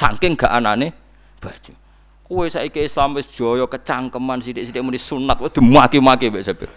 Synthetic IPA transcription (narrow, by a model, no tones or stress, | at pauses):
sa̰ŋkɪŋɡ̥aʔanane | b̥a̤d̥ʒ̥u̥ | kuwesaikiislamwɪsd̥ʒ̥ɔjɔkət͡ʃaŋkəmansiɾɪʔsiɾɪʔmudisunat̪̚wd̪̥i̤muakimakibeʔsəpḭr